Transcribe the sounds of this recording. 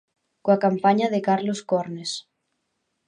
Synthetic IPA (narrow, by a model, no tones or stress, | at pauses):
koakampaɲaðekaɾloskoɾnes